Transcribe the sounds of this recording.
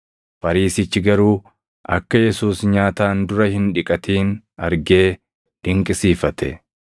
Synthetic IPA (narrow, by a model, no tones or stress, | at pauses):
fɐɾiːsɪt͡ʃːɪɡɐɾuː | ʔɐkːɐjɛsuːsɲaːt̪aːnd̪ʊɾɐhɪnᶑɪkʼɐt̪iːn | ɐɾɡe̞ː | d̪̥ɪŋkʼɪsiːfɐt̪ɛ̰